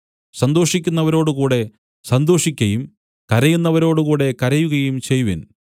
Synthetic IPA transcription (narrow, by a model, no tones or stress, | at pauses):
sɐnd̪o̞ːʂikʲːunːɐʋɐɾo̞ːɽukuːɽe̞ | sɐnd̪o̞ːʂikʲːɐjum | kɐɾɐjunːɐʋɐɾo̞ːɽukuːɽe̞kɐɾɐjuɣɐjumt͡ɕe̞jʋin